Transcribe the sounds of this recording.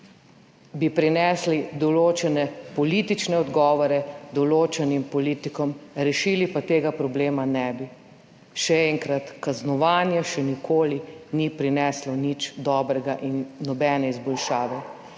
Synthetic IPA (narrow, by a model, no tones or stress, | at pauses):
bipɾinɛːslid̪ɔloːt͡ʃɛnɛpɔlit̪it͡ʃnɛɔd̪ɡɔːʋɔɾɛd̪ɔloːt͡ʃɛnimpɔliːt̪ikɔmɾɛʃilipat̪eːɡapɾɔbleːmanɛbi | ʃɛɛŋkɾat̪kaznɔʋaːnjɛʃɛnikoːlinipɾinɛslɔnit͡ʃd̪ɔːbɾɛɡaʔinːɔbɛːnɛizbɔlʃaːʋɛ